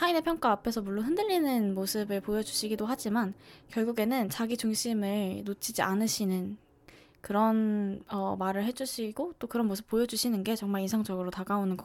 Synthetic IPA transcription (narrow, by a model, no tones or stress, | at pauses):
sʰaine̞pʰjʌŋk͈aːpʰe̞sʰʌmuɭːoɦɯndɯʎːinɯnmosʰɯbɯɭpojʌd͡ʑuɕʰiɡidoɦad͡ʑimankjʌɭɡuɡe̞nɯnt͡ɕaɡit͡ɕuŋɕʰimɯɭnot͡ɕʰid͡ʑiʔanɯɕʰinɯn | kɯɾʌnʌmaɾɯɭhe̞d͡ʑuɕʰiɡot͈okɯɾʌnmosʰɯp̚p͈ojʌd͡ʑuɕʰinɯnɡe̞t͡ɕʌŋmaɭinsʰaŋd͡ʑʌɡɯɾotaɡaonɯnɡʌ